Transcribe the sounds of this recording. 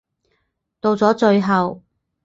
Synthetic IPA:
t̪o˧wt͡sɔː˨˥t͡ʃɵ˧ɥɦɐ˨w

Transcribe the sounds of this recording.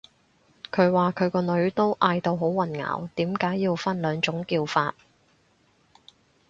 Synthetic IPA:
kʰɵ˨˧ɥwaː˨kʰɵ˨˧ɥkɔː˧nɵ˨˧ɥt̪o˥wʔaː˧jt̪o˧wɦo˨˥wwɐ˨˩nŋa̰ː˨˩wt̪iː˨˥mkaː˨˥jːiː˧wfɐ˥nlœː˨˧ŋt͡ʃʊ˨˥ŋkiː˧wfaː˧t̚

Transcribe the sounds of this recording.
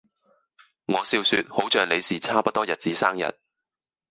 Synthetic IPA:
ŋɔː˨˧siː˧wsyː˧t̚ho˨˥wt͡ʃœː˨ŋle˨˧jsiː˨˩t͡sʰaː˥pɐ˥t̚t̪ɔː˥jɐ˨t̚t͡siː˨˥saː˥ŋjɐ̰˨t̚

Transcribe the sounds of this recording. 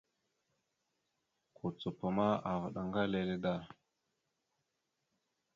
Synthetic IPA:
kʰu˨t͡su˨pə˨ma˦a˨və˨ɗa˨ŋɡa˦le˨le˦da˦˨

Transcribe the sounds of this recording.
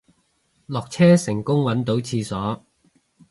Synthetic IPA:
lɔː˨k̚t͡sʰɛː˥sɪ˨˩ŋkʊ˥ŋwɐ˨˥nt̪o˨˥wt͡sʰiː˧sɔː˨˥

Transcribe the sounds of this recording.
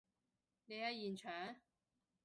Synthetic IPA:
ne˨˧jɐ˧jiː˨˩nt͡ʃʰœː˨˥ŋ

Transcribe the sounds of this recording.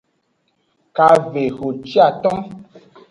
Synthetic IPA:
ka˧ve˨ɣo˨t͡ʃi˦a˦˨t̪ɔ̃˦

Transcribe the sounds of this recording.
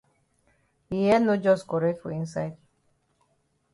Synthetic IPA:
i˨jɛ˦no˦d͡ʒɔ˦skɔ˨ɾe˦tfo̰˨ĩ˦nsa˦ɪd

